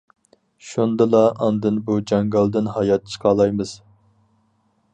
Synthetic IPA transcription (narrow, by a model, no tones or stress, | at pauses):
ʃund̪ɨlˠɑʔɑnd̪ɨnbud͡ʒɑŋɡɑlˠd̪ɪnɦɑjɑt̪̚t͡ʃʰə̥qʰɑːlˠɑjmɨz̥